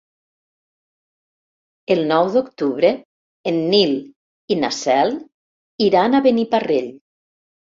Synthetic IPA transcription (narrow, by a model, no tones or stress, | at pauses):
elˠnɔwðokt̪uβɾe | enːil | ina̰sɛlˠ | iɾanaβenipareʎ